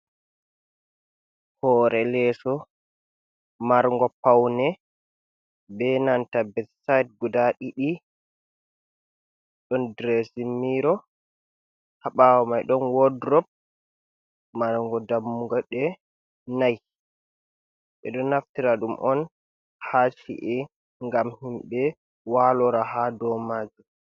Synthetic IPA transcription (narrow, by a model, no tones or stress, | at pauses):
hɔːɾʔɛlɛsɔ | maɾŋɡɔpawnɛ | bɛnantabɛdsajt̚ɡudaɗiɗi | ɗɔndɾesimːiɾɔ | haɓawamajɗɔnwɔdɾɔp̚ | maɾŋɡɔdamːuŋɡaɗɛ | naj | ʔɛ̰ɗɔnaftiɾaɗumʔɔn | hat͡ʃḭʔɛ | ŋɡamhimbɛ | walɔɾaɦadɔmaːd͡ʒu